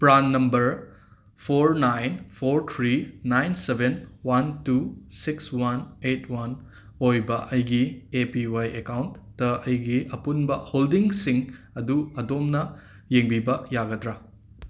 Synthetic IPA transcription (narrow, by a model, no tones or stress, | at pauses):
pɾanːɐmbɐɾ | pʰoɾnajnpʰoɾt̪ʰɾinajnsebenwɐntusikswɐnetʰwɐn | ojbɐʔɐjɡiepiwajekawntːɐɐjɡiʔɐpunbɐholdiŋsiŋ | ɐduɐdomnɐ | jeŋbibɐjaɡɐdɾɐ